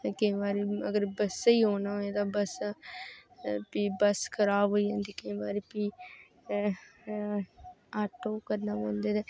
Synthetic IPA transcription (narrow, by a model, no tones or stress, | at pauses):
kɪĩʋaːɾiəɡəɾbəsiːɦoːnaoẽːt̪aːbəs | pibəskəɾaːʋoːiãːnd̪iːkɪĩʋaːɾipi | aːʈoːkəɾnaːboːnd̪ed̪eː